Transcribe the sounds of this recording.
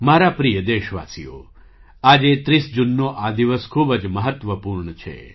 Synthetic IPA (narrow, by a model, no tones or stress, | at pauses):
maɾapɾijəd̪eʃʋa̰sijo̰ | ad͡ʒet̪ɾisd͡ʒunːoʔad̪iʋəskʰubəd͡ʒməɦət̪ʋəpuɾɳət͡ʃʰḛ